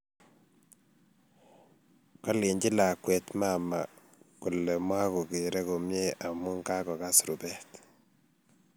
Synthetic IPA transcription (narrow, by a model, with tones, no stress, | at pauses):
kɔ˦li˨ɲd͡ʒi˦la˨kwe˨t̪mama˨ | ku˨lɛ˨mwa˦ku˨ki˨ɾɛ˦ko˨mje˦a˨mu˦ŋɡa˦kɔ˨ka˦sɾu˨bɛt